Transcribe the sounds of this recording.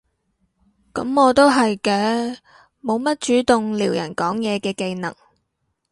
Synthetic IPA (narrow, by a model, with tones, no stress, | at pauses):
kɐ˨˥mɔː˨˧t̪o˥wɦɐ˨jkɛː˧ | mo˨˧wmɐ˥t̚t͡ʃyː˨˥t̪ʊ˨ŋliː˨˩wjɐ̰˨˩nkɔː˨˥ŋjɛː˨˧kɛː˧ke˧jnɐ̰˨˩ŋ